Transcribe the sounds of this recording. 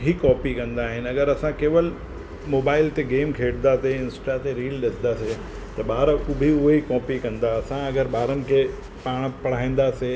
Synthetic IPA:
ɦikɔːpikɐ̃nd̪aːɦɪnɐɡəɾɐsãkeːʋəl | moːbaːɪlt̪eɡeːmkʰeːɽnd̪aːseɪ̃nsʈat̪eɾiːlɗɪsɪ̃d̪aːse | t̪ɐɓaːɾkʊbʱiʊɦeikɔːpikɐ̃nd̪aɐsãɐɡəɾɓaːɾənɪ̆kʰe | paːɽ̃pɐɽ̤aːĩːn̆d̪aːse

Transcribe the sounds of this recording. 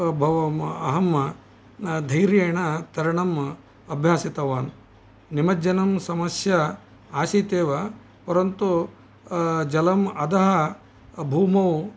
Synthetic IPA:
bʱɐʋɐɐɦɐm | d̪ʱɐjɾjeːɳɐt̪ɐɾɐɳɐm | ɐbʱjaːsit̪ɐʋaːn | nimɐd͡ʒɐnɐmsɐmɐsjɐ | aːsiːt̪eːʋɐ | pɐɾɐnt̪u | d͡ʒɐlɐmɐd̪ɐɦɐ | bʱuːmɐw

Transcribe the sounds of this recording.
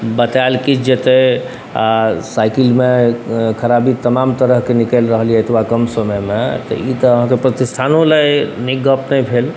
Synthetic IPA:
bət̪alkit͡ʃʰd͡ʒet̪e | a̰sajkilmekʰəɾabit̪əmamt̪əɾəɦkenikɛlɾəɦlijɛːt̪ʰbakəmsəməmet̪ə̰it̪əəɦãkepɾət̪ist̪ʰanõlajniɡəpnəjpʰel

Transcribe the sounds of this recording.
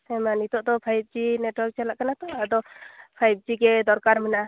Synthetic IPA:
ɛmanit̪ɔʔd̪ɔpʰajib̚d͡ʒinɛʈwɔɾk̚t͡ʃalaʔkanat̪ɔad̪ɔpʰajp̚d͡ʒiɡɛd̪ɔɾkaɾmɛna

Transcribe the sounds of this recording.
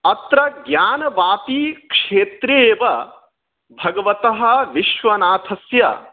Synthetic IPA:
ɐt̪ɾɐɡjaːnɐʋaːt̪ikʂeːt̪ɾeːʋɐ | bʱɐɡɐʋɐt̪ɐɦɐ̆ʋiʃʋɐnaːt̪ʰɐsjɐ

